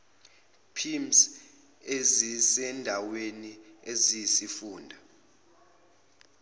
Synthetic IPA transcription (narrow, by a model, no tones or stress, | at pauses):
pʰims | ezisɛndʱaweniezijisifuːndʱa